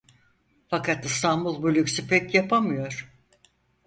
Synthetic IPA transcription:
fakʰat̪ɯst̪ʰanbulˠbylʲyksypɛcjapʰamɯjo̞ɾ̥

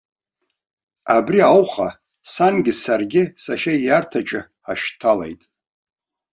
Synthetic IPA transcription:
abriawχa | sanɡʲɪsarɡʲɪsaʃajartʰat͡ʃʼɪ | aʃtʰalḛjtʼ

